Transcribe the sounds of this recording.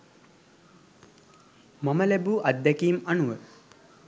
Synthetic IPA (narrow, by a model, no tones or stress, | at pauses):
maməlæbuːʔad̪ːækiːmanuʋə